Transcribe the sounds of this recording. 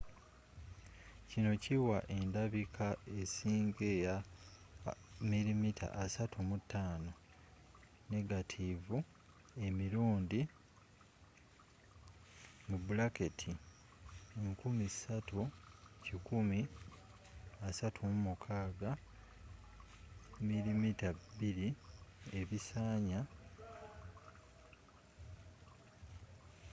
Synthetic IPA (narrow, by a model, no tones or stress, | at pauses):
cino̞ciwaʔe̞ndaβikʰaesiːŋɡeja | milimitʰa̰ʔːsatʰumutːaːno̞ | ne̞ɡatʰivu | e̞miɾuːndi | mubulaketʰi | eŋkumisatucikumi | asatʰumumukʰaːɡa | milimitaibiɾie̞βisaːɲa